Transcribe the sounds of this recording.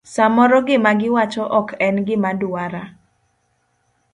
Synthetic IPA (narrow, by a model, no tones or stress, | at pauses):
samɔɾɔɡɪmaɡɪwat͡ʃɔʔɔkʰɛnɡɪmadʊaɾa